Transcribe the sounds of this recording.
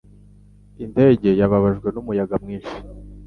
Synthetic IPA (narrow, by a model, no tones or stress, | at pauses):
inde̞ːɟe̞jaβaβaʒɡwe̞numujaɡamŋiːnʃi̥